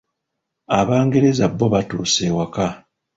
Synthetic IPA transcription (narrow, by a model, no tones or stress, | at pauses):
aβaːŋɡe̞ɾe̞zabːoβatuːsewaka